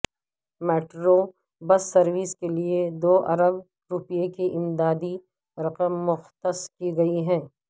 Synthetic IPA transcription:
meːʈɾo | bɐsːɐɾwiskelied̪oːʔɐ̰ɾəb | ɾʊpijekiʔɪmd̪aːd̪i | ɾɐqəmːʊxt̪əskiɡɐiɦɛ̃ː

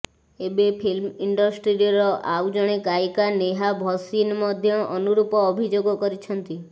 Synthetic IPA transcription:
ebepʰilmiɳɖɔsʈɾiɔɾɔʔawd͡ʒɔɽ̃ekajkaneɦabʱɔsinmɔd̪ʱjɔʔɔnuɾupɔːbʱid͡ʒoɡɔkɔɾit͡ʃʰɔnt̪i

